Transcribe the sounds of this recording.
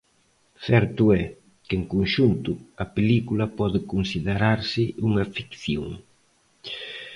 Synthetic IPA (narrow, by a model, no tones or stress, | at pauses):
θɛɾt̪ʊɛ | keŋkuŋʃunt̪ʊɐpelikulɐpɔðɪkunsiðeɾaɾsɪuŋɐfi̥kθjoŋ